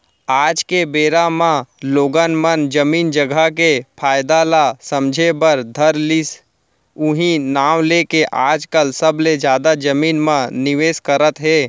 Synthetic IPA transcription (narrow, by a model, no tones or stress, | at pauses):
aːd͡ʒkebeːɾamãloːɡənmənd͡ʒəmiːnd͡ʒəɡakepʰaːjd̪alasə̃md͡ʒʱebəɾd̪ʱəɾlɪs | ʊɦĩnaːwleːkeʔaːd͡ʒkəlsəbled͡ʒjaːd̪ad͡ʒəmiːnmãnɪʋeːskəɾət̪ɦɛː